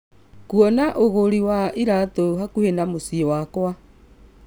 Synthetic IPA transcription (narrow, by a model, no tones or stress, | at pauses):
kuɔnaʔoɣoɾiwaʔiɾatoɦakuhenamosiewakwa